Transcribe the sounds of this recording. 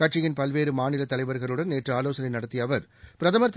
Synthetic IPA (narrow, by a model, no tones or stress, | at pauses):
kɐʈʂɪjɪnpɐlʋeːɾɯmaːnɪlɐt̪ːɐlɐɪʋɐɾɣɐɭɯɽɐnːeːʈrɯaːloːsɐnɐɪnɐɽɐt̪ːɪjɐʋɐɾpɪɾɐðɐmɐɾt̪ː